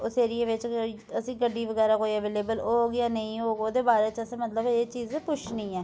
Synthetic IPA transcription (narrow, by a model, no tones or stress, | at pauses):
oseːɾieːʋɪt͡ʃ | əsĩːɡəɖːiːʋəɡɛːɾaːkoːiːəʋeːleːbəloːɡjaːnəĩːɦoːɡoːd̪eːbaːɾeːt͡ʃəsẽːmət̪ləbeːt͡ʃiːzpʊt͡ʃʰnĩːɛː